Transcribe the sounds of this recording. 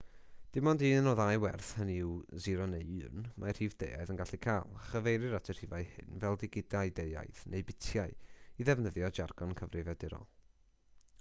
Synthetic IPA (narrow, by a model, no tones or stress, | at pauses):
d̥ɪmɔndiːnɔðajwɛrθhəniwziɾɔnejɨrnmʔarhiːvdḛja̰jðənɡaɬikʰaːlˠaχəvejɾɨɾatʰir̥ivajhɪ̰nvɛlˠdɪɡɪdaɨdeja̰jðnʔeɨbɪtʰjaɨiðɛvnəðjɔd͡ʒarɡ̥ɔnkʰəvrɨvɛdɪɾɔ̰